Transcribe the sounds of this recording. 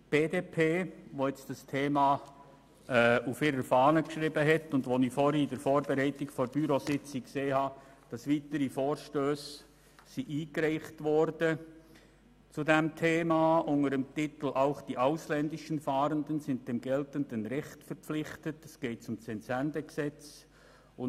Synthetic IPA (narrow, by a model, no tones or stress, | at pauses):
b̥eːdeːpʰeːʋoɛt͡sd̥ɑstʰeːmɑ | ʔɛufɪːɾəɾfɑːnəkʃʁiːbəɦɛtʊndvonifoːɾidəɾfoːɾbɛɾæɪtɪkfɔɾb̥yɾosɪt͡sɪkseːhɑːd̥ɑsʋiːtəɾifoːɾʃtøːs | siʔiːkrɛɪχtʋɔɾdə | t͡sudɛmtʰeːmɑːʔʊŋəɾəmtɪtl̩ʔaʊχd̥iʔaʊslɛndɪʃənfɑːɾəndənsɪnt̚d̥ɛmɡɛltəndənɾɛχtfəɾpflɪχtətɛsɡ̥eɪtt͡sʊmt͡sɛnsændəksɛt͡s | ʊ